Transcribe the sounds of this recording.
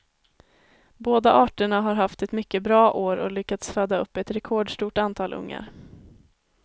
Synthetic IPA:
boːd̪aʔɑːʈəɳaɦaɾɦaft̪ɛt̪mʏkːəbɾɑːʔoːɾɔlʏkːat̪sfœːd̪aɵ̰pːɛt̪ɾɛkʰɔːɖʂʈuːʈant̪ʰɑːlʔɵ̰ŋːa̰ɾ

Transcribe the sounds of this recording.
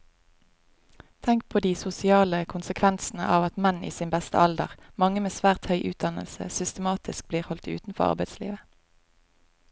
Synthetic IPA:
t̪ʰɛŋk̚pʰoːd̪iːsʊsɪɑːləkʰʊnsəkʰʋɛnsn̩ə̰ʔɑːʋɑt̪mɛnḭːsiːnbɛst̪ə̰ʔɑld̪ə̰ʁmɑŋəmeːsʋæːʁt̪hœʏʔʉːt̪̚d̪ɑnə̰lsə̰sʏst̪əmɑːt̪ɪsk̚bliːʁhɔlt̪ʉ̰ːt̪n̩fɔ̰ʁɑ̰ʁbæɪd̪slḭːʋə

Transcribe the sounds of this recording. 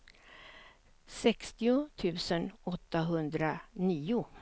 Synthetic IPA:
sɛkst̪ɪʊt̪ʰʉ̟ːsənɔt̪ːaɦɵnd̪ɾaniːʊ

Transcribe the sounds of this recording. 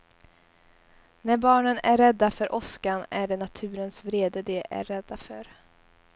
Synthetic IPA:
næɾbɑːɳənæɾːɛd̪ːafœɾʔɔskanæɖɛnat̪ʰʉ̟ːɾənsvɾeːd̪əd̪ɛʔæ̰ɾɛd̪ːafœɾ

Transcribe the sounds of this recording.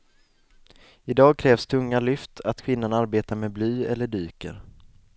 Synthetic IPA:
ɪd̪ɑːɡ̚kʰɾɛːvst̪ʰɵŋːalʏft̪ʰat̪kʰvɪnːanaɾbeːt̪aɾmeːblyːɛlːəɖyːkə̰ɾ

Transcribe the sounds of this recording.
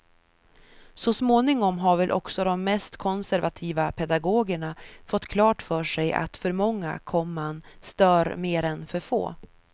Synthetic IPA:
sɔsmoːnɪŋɔmɦaɾvɛlʔɔ̰ksɔd̪ɔmːɛst̪kʰɔnsæɾvat̪ʰiːvapʰɛd̪aɡoːɡəɳafɔt̪ːkʰlɑːʈfœːʂɛjʔa̰t̪fœɾmɔŋːa̰kʰɔmːanst̪œːɾmeːɾɛnfœɾfo̰ː

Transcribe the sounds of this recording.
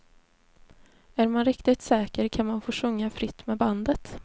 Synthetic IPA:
æɾmanɾɪkt̪ɪt̪sɛːkəɾkʰanmanfoːʂɵŋːafɾɪt̪ːmɛːband̪ət̪

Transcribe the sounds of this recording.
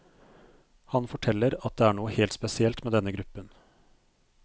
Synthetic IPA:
hɑnfɔʈʰɛlːəɾɑt̪̚d̪eːæːɳuːəheːlt̪spɛsɪɛlt̪meːd̪ɛnːəɡɾʉpːən

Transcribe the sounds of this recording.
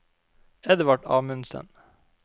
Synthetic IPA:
ɛd̪ʋɑʈɑ̰ːmʉnsə̰n

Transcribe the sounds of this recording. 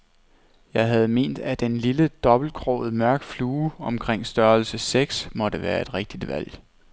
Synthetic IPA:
jɑ̈ɪɦæð̞̩ˠme̝̰ːnd̥æd̥enliləd̥ɒ̽b̥l̩kʰʁɔ̰ð̩ˠmɶɐɡ̥d̥fluːɒ̽mkʰʁeŋ̰sd̥ɶɐlsəseɡ̥smɒ̽ɾ̥əʋæːɐe̝d̥ʁeɡ̥̚d̥id̥ʋæl̰

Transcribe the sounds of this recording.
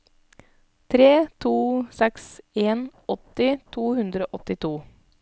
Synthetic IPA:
t̪ʰɾeːt̪ʰuːsɛkseːnɔt̪ɪt̪ʰuːhʉnd̪ɾoːʔɔt̪ɪt̪ʰuː

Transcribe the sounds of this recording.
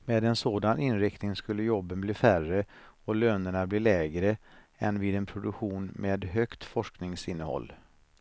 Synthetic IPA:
meːd̪ɛnsoːd̪anɪnɾɪkt̪nɪŋskɵlːəjɔbːənbliːfærəɔløːnəɳabliːlɛːɡɾə | ɛnvɪːd̪ɛnpʰɾʊd̪ɵkɧuːnmeːd̪ɦœkt̪fɔʂknɪŋsɪnːəhɔ̰lː

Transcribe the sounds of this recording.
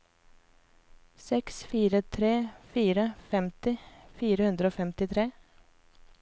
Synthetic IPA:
sɛksfiːɾət̪ʰɾeːfiːɾəfɛmt̪ɪfiːɾəhʉnd̪ɾəoːfɛmt̪ɪt̪ʰɾeː

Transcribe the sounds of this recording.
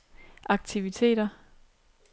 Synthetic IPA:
ʔɑ̈ɡ̥̚t͡sʰiʋit͡sʰe̝̰ːd̥ɐ

